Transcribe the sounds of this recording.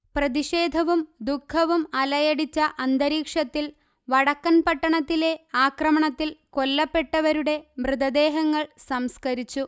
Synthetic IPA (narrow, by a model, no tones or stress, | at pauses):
prɐðiɕe̞ːd̪ʱɐʋumd̪ukʰːɐʋumɐlɐjɐɽit͡ɕːɐʔɐnd̪ɐɾiːkʂɐt̪ːil | ʋɐɽɐkːɐnpɐʈːɐɳɐt̪ːile̞aːkrɐmɐɳɐt̪ːilko̞lːɐpːe̞ʈːɐʋɐɾuɽe̞mrɨd̪ɐd̪e̞ːɦɐŋːɐɭsɐmskɐɾit͡ɕːu